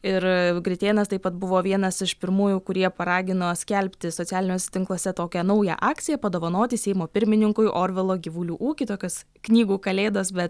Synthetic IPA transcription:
ɪɾɡɾʲɪt̪ʲeːnɐst̪ɐɪpɐt̪̚bʊʋoːʋʲiɛnɐsɪʃpʲɪɾmuːjuːkʊɾʲiɛpɐɾɑːɡʲɪnoːsʲkʲɛlʲpʲt̪ʲɪsoːt͡ssʲæːlʲɪnʲoːsʲɛt̪ʲɪŋklˠoːsʲɛt̪oːkʲɛnɐʊjɛ̰ʔɑːkkt̪sʲɪjɛpɐd̪oːʋɐnoːt̪ʲɪsʲɛɪmoːpʲɪɾʲmʲɪnʲɪŋkʊɪʔoːɾʲʋʲɪlˠoːɡʲiʋulʲuːʔuːkʲɪt̪oːkʲos | knʲiːɡuːkɐlʲeːd̪ɐsbʲɛt̪

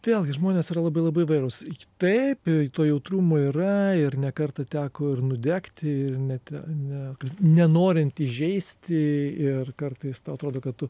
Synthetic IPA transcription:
ʋʲeːlʲˠɡʲɪʒmoːnʲeːsiːɾɐlˠɐbɐɪlˠɐbɐɪɪʋɐɪɾoːst̪ɐɪpɪt̪oːjɛʊt̪ɾuːmoːiːɾɐɪrnʲɛkɐrt̪ɐt̪ʲæːkoːɪrnʊd̪ʲæːkt̪ʲɪɪrnʲɛt̪ʲɛnʲɛkɐpsnʲɛnoːɾʲɪnt̪ɪʒʲɛɪsʲt̪ʲɪɪrkɐrt̪ɐɪst̪ɐʊɐt̪ɾoːd̪oːkɐt̪t̪ʊ

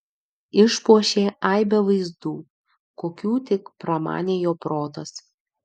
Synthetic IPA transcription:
ɪʃpuɔʃʲeːʔɑˑɪbʲɛʋɐɪzd̪uː | koːkʲuːt̪ʲɪkpɾɐmɑ̰ːnʲeːjoːpɾoːt̪ɐs

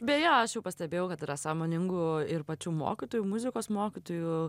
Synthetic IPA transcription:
bʲɛjoɐʃjɛʊpɐsʲt̪ʲɛbʲeːjɛʊkɐt̪ɪːɾɐsɑːmoːnʲɪŋɡʊɪɾpɐt͡ʃʲuːmo̰ːkʲɪt̪oːjuːmʊzʲɪkoːsmoːkʲɪt̪oːju

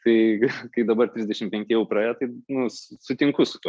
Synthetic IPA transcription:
t̪ɐɪkɐɪd̪ɐbɐrt̪ʲɾʲɪzʲd̪ʲɛʃʲɪmpʲɛŋʲkʲɪjɛʊprɐːjɛt̪ɐɪnʊssʊt̪ʲɪŋkʊsʊt̪uɔ

